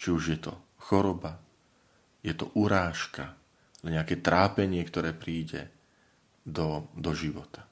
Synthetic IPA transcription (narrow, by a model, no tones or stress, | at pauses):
t͡ʃiuʒjɛt̪ɔ̰ | xɔɾɔba | jɛt̪ɔ̰ʔuɾaːʃka̰ | ɛɲɛakɛːt̪ɾaːpɛɲɪɛkt̪ɔɾɛːpɾiːɟɛ̰ | d̪ɔd̪ɔʒiʋɔt̪ḁ